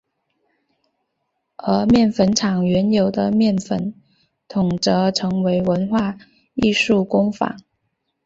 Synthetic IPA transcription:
ə˧˥mjɛ˥˩nfə˧˥nʈ͡ʂʰɑ˨˩ŋɥɛ˧˥njo˨˩ʊd̪ə˦mjɛ˥˩nfə˧˥n | t̪ʰʊ˨˩ŋʈ͡ʂɤ˧˥ʈ͡ʂʰɤ˧˥ŋwe˧˥ɪwə˧˥nxwa˥˧ | i˥˧ʂu˥˩kʊ˥ŋfa̰˨˩˦ŋ

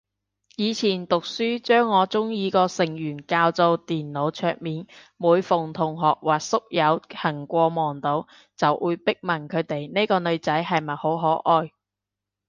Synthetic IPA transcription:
jiː˨˧t͡sʰiː˨˩nt̪ʊ˨k̚syː˥t͡ʃœː˥ŋːɔː˨˧t͡sʊ˥ŋjiː˨˧kɔː˧sɪ˨˩ŋjyː˨˩nkaː˧wt͡so˧wt̪iː˨nlo˨˧˥wt͡ʃʰœː˧k̚miː˨˩n | muː˨˧jfʊ˨ŋt̪ʰʊ˨˩ŋɦɔː˨k̚waː˨˩k̚sʊ˥k̚jɐ˨˧whɐ˨˩ŋkʷɔː˧mɔː˨˩ŋt̪o˨˥w | t͡sɐ˨wʔuː˨˧jpɪ˥k̚mɐ˨˩nkʰɵ˨˧ɥt̪e˨jne˥kɔː˧nɵ˨˧ɥt͡sɐ˨˥jɦɐ˨jmɐ˨t̚ho˨˥wɦɔː˨˥ʔɔː˧j

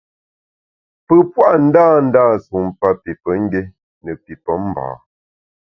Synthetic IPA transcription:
pə˦˨pwa˦ʔn̩˦daː˦˨n̩˦daː˦˨su˨m˨pa˦pi˨pə˨˦ŋ̩˦ɡe˦ | nə˨pi˨pə˨˦m˨ba̰ː˨

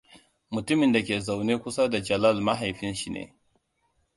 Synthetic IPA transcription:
mʊ˨tʊ˦mɪ˨nda˨kʲeː˨za˨wneː˦kʷʊ˦sa˦da˨d͡ʒɐ˨lɐ˦˨lma˦ɦa˨jɸɪ˦nʃi˨nḛː˨

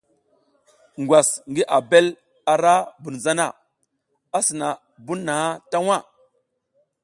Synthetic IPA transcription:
ŋɡwa˨sŋɡi˦ʔa˨be˦l | a˨ɾa˦bu˨n˨za˦na˦˨ | a˦sə˨na˨ | bu˦nː˦a˨ha˦ta˦wa˦˨

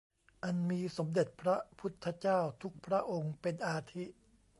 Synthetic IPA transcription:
ʔa˧nmiː˧so˩˦mde˨˩t̪̚pʰɾa˦˥pʰu˦˥t̪ʰːa˧˥t͡ɕaː˥˩wt̪ʰu˦˥k̚pʰɾa˦˥ʔo˧ŋpe˧nʔaː˧t̪ʰi˦˥ʔ

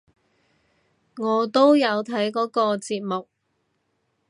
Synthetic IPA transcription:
ŋɔː˨˧t̪o˥wjɐ˨˧wt̪ʰɐ˨˥jkɔː˨˥kɔː˧t͡siː˧p̚mʊ˨k̚

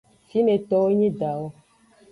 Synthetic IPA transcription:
fi˦ne˨t̪ɔ˦wo˦ɲĩ˦da˨wo˦

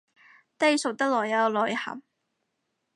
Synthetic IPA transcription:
t̪ɐ˥jso˨˩w̚t̪ɐ˥k̚lɔː˨˩jjɐ˨˧wlɔː˨˩jhɐ̰˨˩m

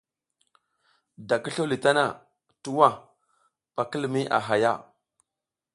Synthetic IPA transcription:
da˨ki˦ɬo˦li˨ta˦na˨ | tu˦wa˦˨ | pa˨kə˦lmi˦ʔa̰˨ɦa˨ja˦˨

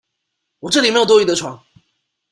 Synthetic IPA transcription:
wɔ˨˩ʈ͡ʂɤ˥˩li˨˩me˥jt̪ɔ˥y˧˥d̪ə˧ʈ͡ʂʰwɑ̰˧˥ŋ

